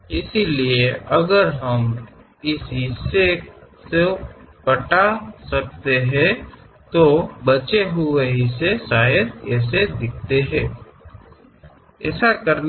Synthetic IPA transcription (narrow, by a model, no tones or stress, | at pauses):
ɪsilieʔɐɡəɾɦəm | ɪsɦɪsesepəʈasək̚t̪eɦɛ̃ | t̪obət͡ʃeɦʊeɦɪsesaːjəd̪̚ɛːsed̪ɪk̚ʰt̪eɦɛ̃ː | ɛ̰ːsakəɾn